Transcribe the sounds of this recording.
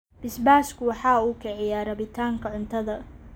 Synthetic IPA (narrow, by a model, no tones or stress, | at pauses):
b̥ɪsbaːskʰʊwɑħɑːuːkʰɛʕɛjaːɾɐβɪt̪ʰaːŋkʰɐʕʊnt̪ʰɐðɐ